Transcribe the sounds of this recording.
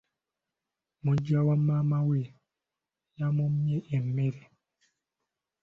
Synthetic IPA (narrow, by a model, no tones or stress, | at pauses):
mud͡ʒawamamawe | jamumjeʔemːeɾe